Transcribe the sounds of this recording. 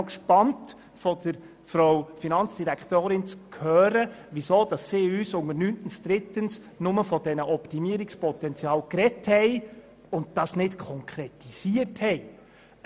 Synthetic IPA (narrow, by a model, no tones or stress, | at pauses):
kʃpɑnt | fɔd̥əɾ | fɾowfinɑnt͡ssd̥iɾækʰtoːɾɪnt͡skʰhøːɾəʋisoːd̥ɑsːiːyːsʊŋəɾnyntənsd̥̪ɾɪtəns | nʊməfɔd̥ɛnəʔɔptimiəɾɪkspɔtɛnt͡sjɑːlkrɛthɛɪ | ʊnd̚dɑsnɪtkʰɔŋkʰɾɛtisiəthɛɪ